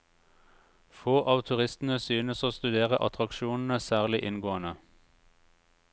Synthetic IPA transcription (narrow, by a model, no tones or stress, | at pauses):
foːʔɑːʋt̪ʰʉʁɪst̪n̩əsyːnəsoːst̪ʉd̪eːʁəʔɑ̰t̪ʰʁɑkʃuːnn̩əsæːʁlɪʔɪnɡoːənə